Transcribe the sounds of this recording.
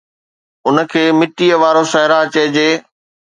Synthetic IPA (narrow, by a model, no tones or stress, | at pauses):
ʊnə̆kʰeːmɪʈiəʋaːɾosɐɦɪɾaɐt͡ɕeːd͡ʑeː